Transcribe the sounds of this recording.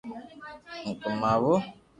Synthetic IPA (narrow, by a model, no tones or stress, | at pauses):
ŋ̩kumaβʊ